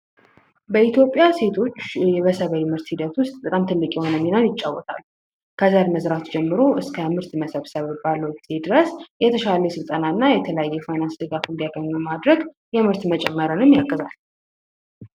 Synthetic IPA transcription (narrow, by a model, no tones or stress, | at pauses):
bəit̪ʰjopʼjase̞t̪ʰo̞t͡ʃːjɛβəsəβəjmɨɾt̪hid̪ət̪ʰʊst̪ʼːɨkʼamt̪ʰɨlːɨkʼjɛho̞nəminəwjɪt͡ʃʼːawːɔt̪ʰa̰lːu | kʰəzaɾiməzɾat̪ud͡ʒɛmːɨɾo̞ʔɨskʰəmɨɾt̪məsəβsəβbalːəwbz̥ed̪ɨɾəsjɛt̪ʰəʃaləsɨlt̪ʼənaɨnːajɛt̪ʰələjajːɛfajnansd̪ɨɡafɨnd̪ijaɡəɲːumad̪ɾəɡ | jɛmɨɾt̪mət͡ʃʼɛmːəɾɨnɨmjaɡːəzalː